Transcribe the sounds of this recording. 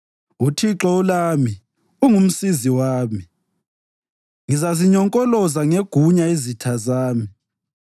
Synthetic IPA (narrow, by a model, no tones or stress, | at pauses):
utʰiǁɔulaːmi | uŋum̩siziwaːmi | ŋizaziɲɔŋkʼɔlɔzaŋeɡ̥ʱuɲaizitʰazaːmi